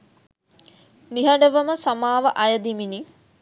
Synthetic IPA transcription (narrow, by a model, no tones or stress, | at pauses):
niɦɐɖəʋəməsɐmaːʋəʔɐjəd̪imini